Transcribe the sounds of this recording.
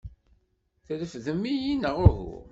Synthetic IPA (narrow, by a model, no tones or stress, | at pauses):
θəðəfðəmːijinəʁʊɦṵ